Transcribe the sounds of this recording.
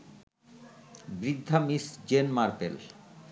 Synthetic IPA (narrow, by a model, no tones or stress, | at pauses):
bɾid̪ʱːamisd͡ʑenmaɾpḛl